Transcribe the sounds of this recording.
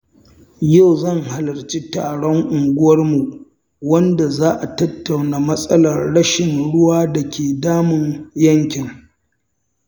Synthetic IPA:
ja˦˨wzɐ˦˨ŋha˨lɐ˨rt͡ʃiː˦taː˨ɽɔ˦ŋʔʊ˨ŋɡʷʊ˦wɐ˦rmu˨ | wɐ˦nda˨zaː˦ʔa˨tɐ˦tːa˨wnaː˨mɐ˦sʼɐ˦lɐ˨rɽɐ˦ʃɪ˨nɽʊ˦waː˦da˨kʲeː˨daː˦mɪ˨ŋjɐ˦ŋkʲɪ˨ŋ

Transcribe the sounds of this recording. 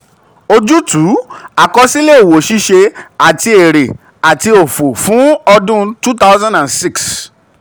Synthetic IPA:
o˧d͡ʒu˦tuː˨˦a˨kɔ˧si˦le˦o˨wo˨ʃi˦ʃe˧a˨ti˧e˨ɾe˨ | a˨ti˧o˨fo˨fũ˨˦ɔ˧dũ˦tu˦ta˦ʊzã˦ndã˨nsi˦˨ks

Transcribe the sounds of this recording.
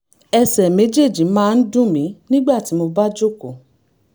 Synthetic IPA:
ɛ˧sɛ˨me˨˦d͡ʒe˦˨d͡ʒĩ˨˦mãː˦˧n̩˦dũ˦mĩ˨˦nĩ˦ɡ͡ba˦˨ti˨˦mo˧ba˦d͡ʒo˦˨ko˨

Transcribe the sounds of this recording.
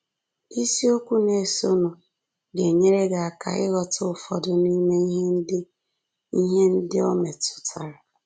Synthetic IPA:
i˦si˦o˦kʷu˦ne˨si˨o˦nu˨ | ɡe˨ɲe˦ɾe˦ɡa˨a˨kʰa̰˨ɪ̰˦ɣɔ˨tʊ˦ʊ˨fɔ̰˨dʊ˨ni˦me˦ɦe˦n˦dɪ˦ | i˦ɦe˦n̩˦dɪ˦ɔ˦me˨tʊ̥˨tʰa˨ɾa˨

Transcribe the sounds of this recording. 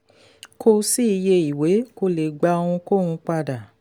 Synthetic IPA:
kʰo˧si˦i˧je˧i˨we˨˦ko˧le˨ɡ͡ba˧õ˧ũ˧ko˦˨nũ˧k͡pa˧da˨

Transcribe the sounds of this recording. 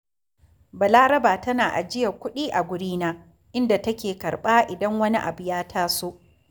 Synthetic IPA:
bɐ˨laː˦ɾɐ˦baː˨tɐ˦naː˨ʔa̰˨d͡ʒɪ˦ja˨kʷʊ˦ɗiː˦ʔa˨ɡʷʊ˨ɽiː˦naː˦ | ʔɪ˦nda˨tɐ˦kʲeː˨kɐ˨ɾɓaː˦ʔɪ˨dɐ˦ŋwɐ˦ni˦ʔa˨bʊ˨jaː˦tʰaː˦soː˦ʔ

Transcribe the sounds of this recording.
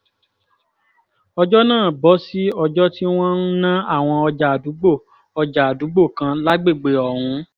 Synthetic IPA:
ɔ˧d͡ʒɔ˦nãː˦˨bɔ˨˦si˦ɔ˧d͡ʒɔ˦ti˦w̃ɔ̃˦n̩˦nã˦a˦˨w̃ɔ̃˧ɔ˧d͡ʒa˨a˨du˨˦ɡ͡bo˦˨ | ɔ˧d͡ʒa˨a˨du˨˦ɡ͡bo˦˨kã˧la˦ɡ͡be˦˨ɡ͡be˨ɔ˨hũ˧˦

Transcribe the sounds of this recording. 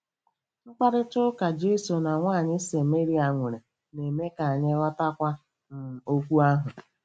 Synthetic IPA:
n̩˦k͡pa˦ɾɪ˦tʊ˦ka˨d͡ʒe˦so˨na˨ŋʷaː˦˨ɲɪ˦se˨me˦ɾi˨a˨ŋʷe˨ɾe˨ | ne˨me˦ka˨a˨ɲɪ˦ɣɔ˦ta˦kʷa˦ | n̩˨o˦kʷu˦a˦ɦʊ˨

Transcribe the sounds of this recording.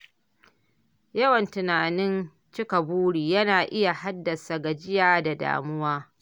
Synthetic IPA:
jɐ˦wɐ˨ntɪ˨naː˨nɪ˦n | t͡ʃɪ˦ka˨buː˦ɽiː˨jɐ˦naː˨ʔɪ˦ja˨ha˦dːɐ˨sa˨ɡa˨d͡ʒɪ˦jaː˦da˨da̰ː˨mʊ˦waː˦

